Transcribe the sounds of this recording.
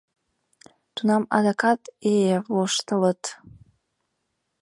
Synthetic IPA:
t̪unɑmɑ̰d̪akʰɑt̪eloʃt̪ələt̪

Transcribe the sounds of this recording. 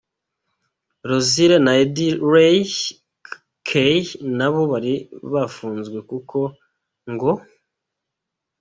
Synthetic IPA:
ɾoziɾenaediɾe | kʰejnaβo̞βaɾiβafuːnzɡwe̞kukʰo̞ | ŋɡo

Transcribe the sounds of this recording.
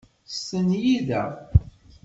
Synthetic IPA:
sənjiðæ

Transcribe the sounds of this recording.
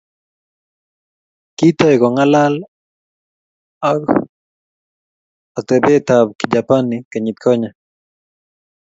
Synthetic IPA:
kit̪ɔɛkɔŋalal | ak | at̪ɛbɛt̪ab̚kid͡ʒapanikaɲit̪̚kʰɔɲa

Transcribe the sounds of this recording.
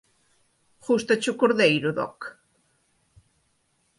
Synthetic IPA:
χust̪at͡ʃukoɾðejɾʊðɔ̰k

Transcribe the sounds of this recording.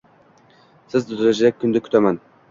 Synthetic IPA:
sɪzd̪ʊzɾad͡ʒɪɾak̚ʲʰːʊnd̪ɪkʲʰʊ̥t̪ʰaman

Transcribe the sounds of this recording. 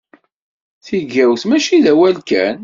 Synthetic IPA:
θiʝæwθmæʃiðæwælkæn

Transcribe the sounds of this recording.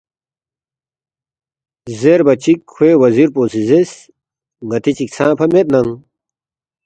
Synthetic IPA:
zeɾbɐt͡ɕikʰːweːwɐziɾpoːsizes | ŋɐt̪it͡ɕiksʰãːpʰɐmet̪̚nɐŋ

